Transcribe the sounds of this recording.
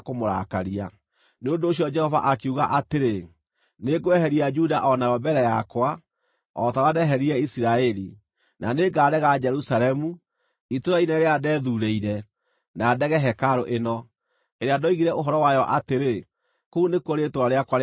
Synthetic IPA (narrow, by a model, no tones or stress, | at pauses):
komoɾa̰kaɾia | neondoːɕiɔd͡ʒɛhɔva̰ʔakeuɣaʔateɾe | neɡoɛɦɛɾiad͡ʒudaʔɔnajɔbɛɾɛjakwa | ɔtawadɛɦɛɾiɛisiɾaɛɾi | nʔaneɡaːɾɛɣad͡ʒɛɾusalɛmu | itoɾainɛɾeadɛːðuɾeiɾɛ | naːdɛɣɛɦɛkaɾoʔenɔ | eɾeadoiɣiɾɛʔoɦɔɾɔwajɔʔateɾe | kounekwɔɾetoɾaɾeakwa